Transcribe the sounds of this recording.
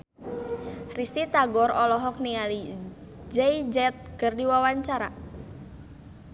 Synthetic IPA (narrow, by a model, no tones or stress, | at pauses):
rist̪it̪aɡɔɾɔlɔɦɔk̚niali | d͡ʒɛjd͡ʒɛt̪̚kərdiwawaɲt͡ʃaɾa̰